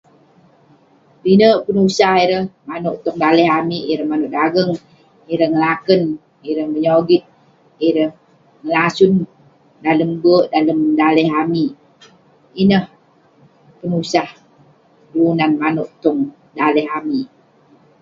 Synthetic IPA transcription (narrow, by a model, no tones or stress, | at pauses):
binəʔpənusahiɾəhmanoʔt̪ɔŋdaləɦamiiɾəhmanuʔdaɡəŋ | iɾəhŋəlakən | iɾəhməɲoɡit̪̚ | iɾəh | ŋəlasun | daləmbəʔdaləmdaləɦami | inəh | pənusah | duunanmanuʔt̪ɔŋ | daləɦami